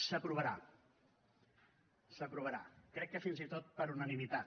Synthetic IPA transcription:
səpɾuβəɾa̰ | səpɾuβəɾa̰kɾɛkːəfinzit̪ot̪̚pəɾunənimit̪at̪

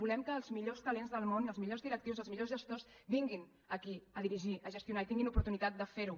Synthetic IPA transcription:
bulɛmkəːlˠzmiʎost̪əlenzðəlˠmonəlzmiʎozðiɾək̚t̪iwzəlˠzmiʎozʒəst̪osbiŋɡin | əkiəðiɾiʒiʔəʒəst̪iunait̪iŋɡinupuɾt̪unit̪at̪̚d̪əfeɾu

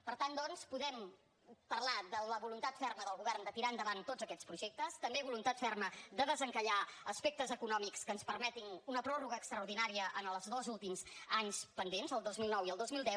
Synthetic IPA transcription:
pəɾt̪and̪ɔnspuðɛm | pərlaðələβulunt̪at̪fɛrməðəlˠɣuβɛrnd̪ət̪iɾaənd̪əβant̪ozəkɛt͡spɾuʒek̚t̪əst̪əmbeβulunt̪at̪fɛrməd̪əðəzəŋkəʎaəspek̚t̪əzəkunɔmikskəːnspəɾmɛt̪inunəpɾɔruɣəːkst̪ɾəuɾðinaɾiəʔənəlˠzðozulˠt̪imzaɲspənd̪enzəlˠd̪ozmilˠnɔwiəlˠd̪ozmilˠd̪ɛw

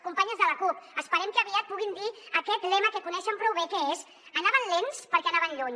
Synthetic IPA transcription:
kumpaɲəzðələkupəspəɾɛmkəəβiat̪̚puɣind̪iəkɛt̪lɛməkekunɛʃəmpɾɔwβekeez | ənaβənlenspəɾkɛənaβənʎoɲ

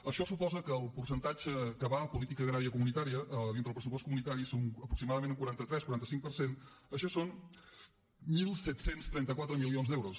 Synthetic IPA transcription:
əʃɔsupɔzəkəːlˠpuɾsənt̪ad͡ʒəkəβaəpulit̪ikəːɣɾaɾiəkumunit̪aɾiəʔəðint̪əlˠpɾəsuposkumunit̪aɾisoŋəpɾuksimaðəmẽnuŋkwuɾant̪ət̪ɾɛskuɾant̪əsiŋk̚pəɾsen | əʃɔson | milˠsɛt̪senst̪ɾɛnt̪əkwat̪ɾəmilionzd̪ɛwɾus

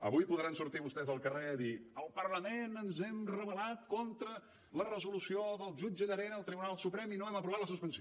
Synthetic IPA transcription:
ə̰βujpuðɾansuɾt̪iβust̪ɛzəlˠkəreəðiəlˠpəɾləmenənzɛmrəβəlat̪kɔnt̪ɾə | lərəzulusioðəlˠʒud͡ʒəðəɾɛnəːlˠt̪ɾiβunalˠsupɾɛminoɛməpɾuβat̪ləsuspənsi

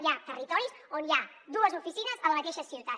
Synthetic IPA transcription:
jat̪ərit̪ɔɾisonia | d̪uəzufisinəzələmət̪eʃəsiwt̪a

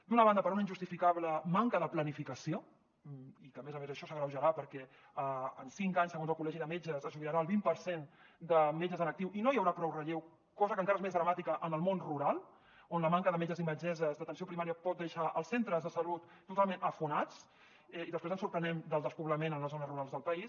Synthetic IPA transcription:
d̪unəβand̪əpəɾunaind͡ʒust̪ifikaβləmaŋkəðəplənifikəsio | ikəmezəmezəʃɔsəɣɾəwʒəɾapəɾkɛ | əənsiŋkaɲsəɣonzəlˠkulɛʒiðəmed͡ʒəzəzuiɾaɾaːlˠβimpəɾsen | d̪əmed͡ʒəzənək̚t̪iwʔinoijəwɾapɾɔwrəʎew | kɔzəkəŋkaɾəezmezðɾəmat̪ikəʔənəlˠmonruɾalˠ | onləmaŋkəðəmed͡ʒəziməd͡ʒɛzəzðət̪ənsiopɾimaɾiəpɔt̪̚d̪eʃaʔəlˠsent̪ɾəzðəsəlut̪ːut̪alˠmẽnəfunat͡s | ɛiðəspezə̃nsuɾpɾənɛmd̪əlˠd̪əspuβləmenənləzonəzruɾalˠzðəlˠpəis

